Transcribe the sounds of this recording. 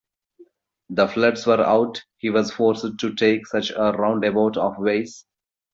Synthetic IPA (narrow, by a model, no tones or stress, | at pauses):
d̪əflʌɖsʋəɾa̰ʊʈhiːʋɔzfɔːɾsɖ̚ʈuʈʰeːksʌt͡ʃəɾãʊ̃ɳɖeboʊʈɔːfʋeːs